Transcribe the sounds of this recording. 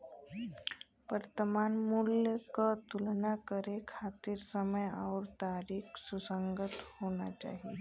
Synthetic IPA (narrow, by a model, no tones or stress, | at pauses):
ʋəɾt̪əmanmuljəkət̪ulnakəɾekʰat̪iːɾsəməja̰wɾt̪aɾiːksusəŋɡət̪hoña̰t͡ɕa̰ɦi